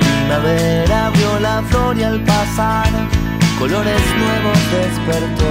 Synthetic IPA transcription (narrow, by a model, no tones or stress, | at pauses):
imaβeɾaβjo̞lafloɾjalpasaɾ | ko̞lo̞ɾe̞znwe̞βo̞sd̪e̞speɾt̪o